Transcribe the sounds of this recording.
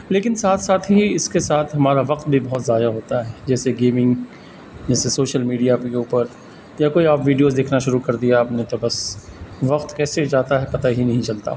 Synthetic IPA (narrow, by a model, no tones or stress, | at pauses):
leːkɪnsaːt̪ʰsaːt̪ʰɦiɪskesaːt̪ʰɦɐmaːɾaʋɐqt̪̚bʱibɐɦɔt̪zaːd̪aɦoːt̪aɦɛːd͡ʒɛːseɡeːmɪ̃ŋɡ | d͡ʒɛːsesoːʃəlmiːɖijakeuːpəɾ | jakoːiaːpʋiːɖijoːzd̪eːkʰnaʃʊɾukɐɾd̪ijaaːpnet̪obɐsʋɐqt̪kɛːsed͡ʒaːt̪aɦɛpɐt̪aɦinɐɦĩt͡ʃɐlt̪a̰ː